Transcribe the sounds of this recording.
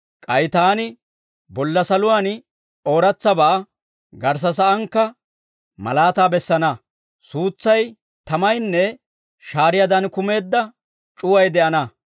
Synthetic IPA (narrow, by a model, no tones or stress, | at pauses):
kʼɐjt̪aːnɪ | bɔlːɐsɐlʊwaːn | o̞ːɾɐt͡sːɐbɐʔɐ | ɡɐɾs̬ɐs̬ɐʔɐŋkːɐ | mɐ̰laːt̪aːbɛsːɐnɐ | suːt͡sːɐj | t̪ɐmɐjnːɛ | ʃaːɾɪjɐd̪ɐnkʊme̞ːd̪ːɐ | t͡ʃʼʊwɐjd̪ɛʔɐnɐ